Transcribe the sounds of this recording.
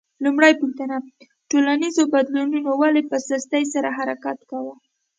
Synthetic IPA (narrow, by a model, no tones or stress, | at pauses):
lumɽajpuxt̪ana | ʈolanizobad̪lununowalepəsast̪ajs̬aɾaɦaɾakat̪kawə